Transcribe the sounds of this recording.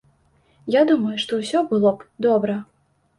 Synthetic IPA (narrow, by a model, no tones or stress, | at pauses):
jad̪umɐjuʂt̪ɔwsʲɔbɨlˠɔpd̪ɔbɾɐ